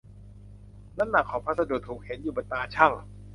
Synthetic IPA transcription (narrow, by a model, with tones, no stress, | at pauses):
na˦˥na˨˩kʰːɔː˩˦pʰa˦˥t̪̚sa˧du˨˩t̪ʰuː˨˩k̚he˩˦njuː˨˩ba˨˩t̪aː˧t͡ɕʰa˥˩ŋ